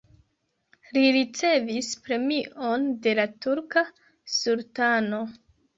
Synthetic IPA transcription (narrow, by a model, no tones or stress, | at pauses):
liɾit͡se̞vispɾe̞miʔo̞nde̞latuɾka | sultano̞